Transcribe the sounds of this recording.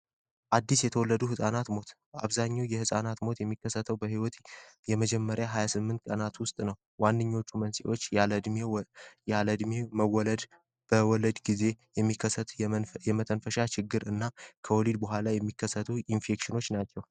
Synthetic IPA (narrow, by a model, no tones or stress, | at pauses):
ʔad̪ːisjɛt̪ʰəwɔlːəd̪uɦɨsʼanat̪mo̞t̪ | a̰βzaɲːawjɛhɨsʼanat̪mo̞t̪jɛmːikːəsːət̪ʰəwbəhiwɔt̪jɛməd͡ʒɛmːəɾjaɦajasɨmːɨnt̪kʼənat̪wʊst̪ʼnəw | wandɨɲːo̞t͡ʃːumənsiʔo̞t͡ʃːləd̪mejaləd̪meməwɔləd̪ | b̥əwɔləd̪ɡize̞jɛmːikʰːəsːət̪jɛmət̪ʰənfəʃat͡ʃɪɡːɨɾɨnːakʰəwɔlid̪bəɦʷalajɛmːikːəsːət̪ʰuinfe̞kʃɪno̞t͡ʃːnat͡ʃːɛw